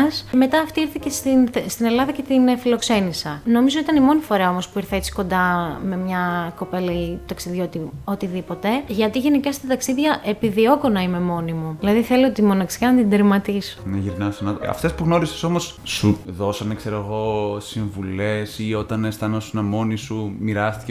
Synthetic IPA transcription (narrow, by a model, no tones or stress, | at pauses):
sme̞t̪ɐːft̪iiɾθicest̪inst̪ine̞lɐðɐcet̪infilo̞kse̞nisɐno̞mizoit̪ɐnimo̞nifo̞ɾeɐo̞mo̞spuiɾθɐet͡si̥ko̞nd̪ɐme̞mɲɐko̞pe̞lɐt̪ɐksiðʝo̞t̪io̞t̪iðipo̞t̪e̞ʝɐt̪iʝe̞nikɐst̪ɐt̪ɐksiðʝɐʔepiðio̞konɐime̞mo̞nimuilɐðiθe̞liot̪imo̞nɐksi̥ɐnɐd̪id̪eɾmɐt̪iso̥neʝiɾnɐsɐnɐt̪ɐ̰ft̪e̞spuɣno̞ɾisi̥so̞mo̞s | suðo̞sɐnekseɾoɣo̞siɱvule̞sio̞t̪ɐnest̪ɐnosunɐmo̞nisumiɾɐst̪i̥ce